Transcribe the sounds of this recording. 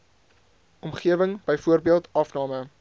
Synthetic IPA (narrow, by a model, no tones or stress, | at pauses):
ɔmχiəvəŋb̥əjfuərbiəlˠtɐfnɑːmə